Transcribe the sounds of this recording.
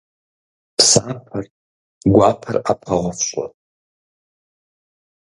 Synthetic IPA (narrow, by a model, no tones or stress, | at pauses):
pʰsapʰar | ɡʷapʰarapʰaʁʷafʃʷʼwa̰